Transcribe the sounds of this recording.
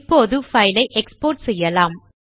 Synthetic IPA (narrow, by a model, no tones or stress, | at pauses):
pːoːðɯfɐɪlɐɪʔɛkspoːɾʈsɛjːɐlaːm